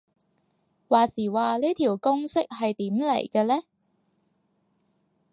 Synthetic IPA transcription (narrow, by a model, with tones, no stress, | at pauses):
waː˨siː˨˩waː˨liː˥t̪ʰiː˨˩wkʊ˥ŋsɪ˥k̚hɐ˨jt̪iː˨˥mlḛ˨˩jkɛː˧lɛː˥